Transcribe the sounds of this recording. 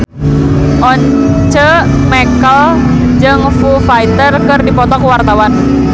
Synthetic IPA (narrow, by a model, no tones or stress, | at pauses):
ʔɔɲ | t͡ʃə | mɛkəl | d͡ʒɨŋfufait̪ərkɨrdipɔt̪ɔkwart̪awan